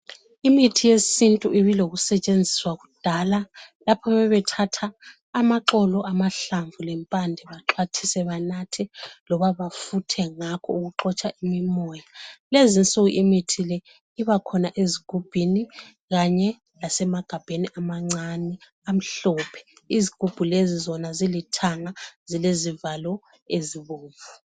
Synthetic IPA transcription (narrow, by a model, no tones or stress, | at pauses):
imitʰijesintʼuʔiβiloɣusɛt͡ʃʼend͡zʱiswaɣud̥ʱalalapʰɔβɛβɛtʰatʰaː | maǁɔlɔʔamaɬaɱvulɛmpʼandʱɛβaǁʰwat͡ʃʰi̥sɛβanatʰɛlɔβaβafutʰɛŋakʰɔ̰uɣuǁɔt͡ʃʰʼaʔimimɔjalezint͡sʼuɣuʔimitʰilɛ | iβakʰɔnaʔeziɡ̥ʱub̥ʱini | ɣaɲɛ | lasɛmaɡ̥ʱab̥ʱeniʔamaŋ͡ǀanɛ | am̩ɬɔpʰɛ̥iziɡ̥ʱub̥ʱulezizɔnazilitʰaŋaz̥ilezivalɔ | eziβoːɱvu